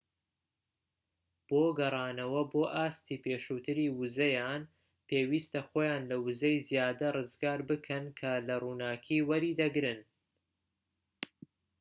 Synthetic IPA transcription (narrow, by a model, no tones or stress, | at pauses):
b̥oːɡɐrˤɑːnɐwɐboːʔaːst̪iːpʰeːʃuːt̪ʰɨɾiːwɨzɐjaːn | peːwiːst̪ɐxoːjaːnlɐwɨzɐjzjaːd̪ɐrɨzɡaːɾbɨkʰɐnkʰɐlɐruːnaːkʰiːwɐɾiːd̪ɐɡɾɨn